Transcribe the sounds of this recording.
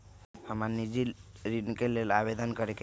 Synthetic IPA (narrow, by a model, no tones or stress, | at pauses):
həmanid͡ʒiɾinkelelabed̪ənkəɾek